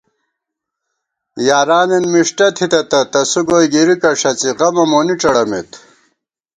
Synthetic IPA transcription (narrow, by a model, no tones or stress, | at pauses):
jaːɾaːnenmiʂʈɐt̪ʰit̪ɐt̪ɐt̪ɐsuɡoːjɡiɾikɐʂɐt͡siʁɐmɐmoːniʈ͡ʂɐɽɐmḛt̪